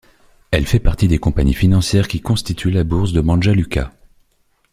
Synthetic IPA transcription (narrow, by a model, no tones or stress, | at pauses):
ɛlfɛpaʁt̪id̪ekɔ̃paɲifinɑ̃sjɛʁkʲikɔ̃st̪it̪ʰylabuʁsd̪əmɑ̃ʒalykʲa̰